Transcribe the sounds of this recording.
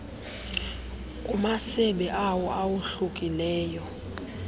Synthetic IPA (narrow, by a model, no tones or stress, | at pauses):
kʼumasɛɓɛʔawɔʔawuɬukʼilɛːjɔ